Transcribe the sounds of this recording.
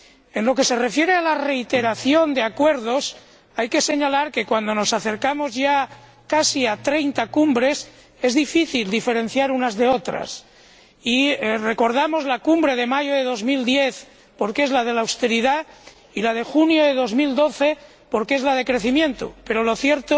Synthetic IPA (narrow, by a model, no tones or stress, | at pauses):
e̞nlo̞ke̞se̞re̞fje̞ɾealare̞it̪e̞ɾaθjo̞nd̪eakwe̞ɾð̞o̞s | ajke̞se̞ɲalaɾke̞kwand̪o̞no̞saθe̞ɾkamo̞zʝa | kasiat̪ɾe̞jnt̪akumbɾe̞s | e̞zðifiθild̪ife̞ɾẽ̞n̟θjaɾunazðe̞o̞t̪ɾa̰s | ire̞ko̞ɾðamo̞zlakumbɾe̞ð̞e̞maʝoðe̞ðo̞zmild̪je̞θ | po̞ɾkezlað̞e̞lawst̪e̞ɾiða | ilað̞e̞xunjo̞ðe̞ðo̞zmild̪o̞θe̞ | po̞ɾkee̞zlað̞e̞kɾe̞θimjẽ̞nt̪o̰pe̞ɾo̞lo̞θjeɾt̪o